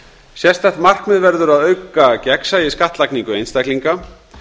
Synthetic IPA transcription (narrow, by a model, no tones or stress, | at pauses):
sjɛst̪θɛht̪mar̥kmɛðvɛɾðʏɾaðœɥkacɛksajɪskaht̪lakniŋkʏejnst̪ajkliŋka